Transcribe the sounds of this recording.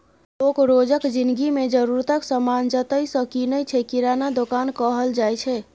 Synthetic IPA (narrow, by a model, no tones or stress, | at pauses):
lokɾod͡ʒəkd͡ʒind̪ɡimed͡ʒəɾuɾt̪əksəmand͡ʒət̪əjsə̃kinəjt͡ʃʰɛkiɾanad̪okankəɦəld͡ʒajt͡ʃʰɛ